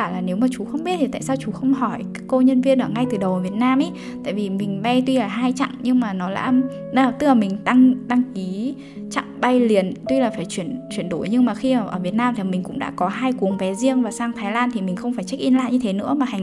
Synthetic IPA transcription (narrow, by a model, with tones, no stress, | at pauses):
aː˧˩laː˨˩ne˨˦wmaː˨˩t͡ɕu˨˦xə˧wŋ͡mɓi˦˥t̚t̪ʰi˨˩t̪a̰ː˧˨saː˧wt͡ɕu˨˦xə˧wŋ͡mɦɔ˧˩jkaː˨˦˥kːə˧ɲə˧nvi˧ənʔəː˧˩ŋa˧jt̪ɨ˨˩ɗə˨˩wəː˧˩vi˨˩ət̚naː˧mʔə˨˦ | t̪a̰ː˧˨jvi˨˩mï˨˩ŋ̟ɓa˧jt̪wi˧laː˨˩ɦaː˧jt͡ɕa̰˧˨ŋɲɨ˧ŋmaː˨˩nɔ˨˦la̰ː˧˥˧ | t̪ɨ˦˥laː˨˩mï˨˩ŋ̟t̪a˧ŋɗ̪a˧ŋki˨˦ | t͡ɕa̰˧˨ŋɓa˧jli˨˩ənt̪wi˧laː˨˩faː˧˩jt͡ɕwi˧˩ənt͡ɕwi˧˩ənɗo˧˩jɲɨ˧ŋmaː˨˩xi˧˨˩ʔəː˧˩vi˨˩ət̚naː˧mt̪ʰi˨˩mï˨˩ŋ̟kʊ̰˧˥ŋ͡mɗa̰ː˧˥kɔ˨˦ɦaː˧jku˨˦əŋvɛ˨˦zi˧əŋvaː˨˩saː˧ŋt̪ʰaː˨˦jlaː˧nt̪ʰi˨˩mï̟˨˩xə˧wŋ͡mfaː˧˩jt͡ɕa˦˥k̚ʔi˧nla̰ː˧˨ɲɨ˧t̪ʰe˨˦nɨ̰˧˥əmaː˨˩ha˨˩ŋ